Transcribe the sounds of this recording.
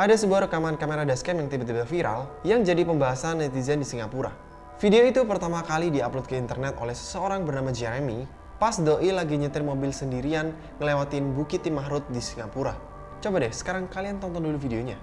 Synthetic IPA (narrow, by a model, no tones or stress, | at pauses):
ʔadasəbuahɾəkamankameɾadaskɛmjaŋt̪ibat̪ibafiɾa̰ljaŋd͡ʒadipəmbaɦasanːɛt̪izandisiŋapuɾa̰ | fideoit̪upərt̪amakalidiaplʊt̪̚kəint̪ərnɛt̪o̰lɛhsə̥səoɾaŋbərnamad͡ʒɛɾemi | pasdoʔilaɡiɲət̪ɪrmobɪlsəndiɾian | ŋəlewat̪ɪnbukit̪ːimaɦɾʊt̪̚disiŋapuɾa | t͡ʃobadɛhsə̥kaɾaŋkaliant̪ɔnt̪ɔndulufideoɲa̰